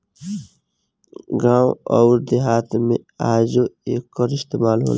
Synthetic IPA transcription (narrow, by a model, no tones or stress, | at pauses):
ɡaːwɔʊɾd̪eɦaːt̪mẽaːd͡ʒoeːkːəɾɪst̪eːmaːlɦo̰l